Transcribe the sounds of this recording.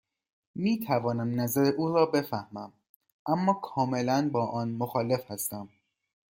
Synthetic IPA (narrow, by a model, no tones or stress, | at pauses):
miːt̪ʰævɒːnæmnæzæɾeʔuːɾɒːbe̞fæhmæm | ʔæmːɒːkʰɒːme̞lænbɒːʔɒːnmoxɒːle̞fhæst̪æm